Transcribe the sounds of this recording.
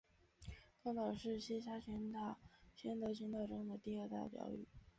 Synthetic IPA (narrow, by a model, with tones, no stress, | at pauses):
k̪ɑ˥ŋt̪ɑ˨˩ʊʂɻ̩˥˩ɕi˥ɕa˥t͡ɕʰɛ˧˥nt̪a˥˩ɕʰɥɛ˥nt̪ɤ˧˥t͡ɕʰy˧˥ŋt̪ɑ˥˩ʊʈ͡ʂɤ˥ŋd̪ə˨t̪i˥˧a˞˥˧t̪a̰˥˩pjɑ̰˧˥ʊy̰˥˩˦